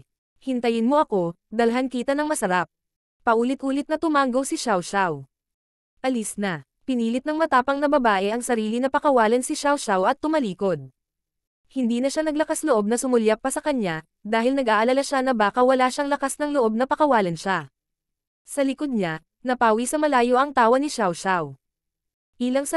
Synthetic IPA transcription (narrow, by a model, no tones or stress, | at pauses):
hɪnt̪ɐjɪnmo̞ʔɐko̞ | d̪ɐlɦɐnkiːt̪ɐnɐŋmɐsɐɾap̚ | pɐʔuːlɪt̪ʔuːlɪt̪nɐt̪ʊmaŋɡowsɪʃawʃaw | ʔɐlɪsnɐ | pɪniːlɪt̪̚nɐŋmɐt̪aːpɐŋnɐbɐbaːʔɛʔɐŋsɐɾiːlɪnɐpɐkɐwaːlɐnsɪʃawʃawʔɐt̪ːʊmɐliːko̞d̪̚ | hɪnd̪iːnɐʃanɐɡlɐkasloʔo̞b̚nɐsʊmʊljapːɐsɐkɐɲa | d̪aːɦɪlnɐɡʔaːʔɐlalaʃanɐbaːkɐwɐlaʃaŋlɐkasnɐŋloʔo̞b̚nɐpɐkɐwaːlɐnʃa | sɐlɪkod̪̚ɲa | nɐpaːwisɐmɐlaːjo̞ʔɐŋt̪aːwɐnɪʃawʃaw | ʔiːlɐŋs